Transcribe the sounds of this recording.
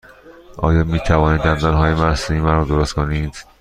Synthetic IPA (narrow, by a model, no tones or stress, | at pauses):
ʔɒ̰ːjɒːmiːt̪ʰævɒːniːd͡ʒæmd̪ænɦɒːjemæsiːmænɾɔːd̪oɾost̪kʰoniːd̪̥